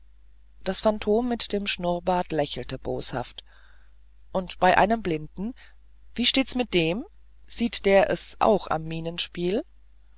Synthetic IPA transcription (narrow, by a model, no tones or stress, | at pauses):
d̥asfantʰoːmːɪtd̥eːmʃnʊʁbaːtlɛçl̩təbo̰ːsha̰ft | ʔʊntb̥aɪʔaɪnəmblɪndn̩ | viːʃteːtsmɪt̚d̥eːm | z̥iːtd̥eːɐʔɛsʔa̰ʊxa̰mːiːnənʃpiːl